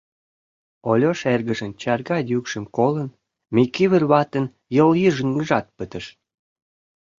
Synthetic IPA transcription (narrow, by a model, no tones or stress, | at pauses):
olʲoʃerɣəʒənt͡ɕɑrɣɑd̪jykʃə̆mkolən | mijkiβərβɑt̪ən | jəljiʒəŋɡəʒɑt̪̚pət̪ə̆ʃ